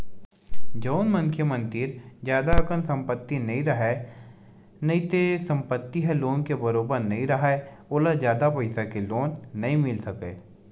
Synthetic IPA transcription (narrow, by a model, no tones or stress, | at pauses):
d͡ʒɐʊnmɐ̃nkʰjəmə̃nt̪ɪɾd͡ʒjaːd̪akənsɐ̃mpət̪ːinɐɦĩɾɐɦe | nɐɦĩt̪esɐ̃mpət̪ːiɦɛloːnkebɐɾoːbəɾnɐɦĩɾɐɦae | oːlad͡ʒjaːd̪apɐɪsakeloːnːɐɦĩmɪlsɐkeː